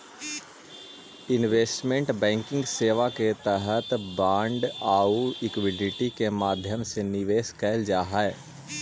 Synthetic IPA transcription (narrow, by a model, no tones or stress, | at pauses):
ɪnʋeːsʈmẽɳʈbɛ̃ːŋkɪ̃ŋɡseːʋaket̪ɛɦət̪bãːɳɖaːuɪkʋɪɖɪʈikemaːd̪ʱjəmsenɪʋeːskɛːld͡ʒaːɦaɛ